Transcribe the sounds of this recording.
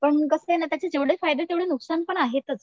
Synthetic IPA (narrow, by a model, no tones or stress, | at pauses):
pəɳkəsəenat̪jat͡ɕed͡zeʋɽefajd̪et̪eʋɽɭenuksanpəɳaɦet̪ət͡s